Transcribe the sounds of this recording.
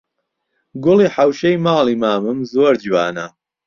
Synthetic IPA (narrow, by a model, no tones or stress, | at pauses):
ɡʊliːħawʃejmɑːlˠiːmaːmɨmzoːɾd͡ʒiwaːnɐ